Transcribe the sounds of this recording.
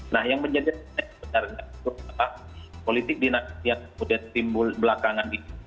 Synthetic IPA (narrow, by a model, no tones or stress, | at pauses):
nahjaŋməɲd͡ʒadinabənaɾŋait̪uadalahpolit̪ɪk̚dinakasiankəmudiant̪imbʊlbəlakaŋanit̪u̥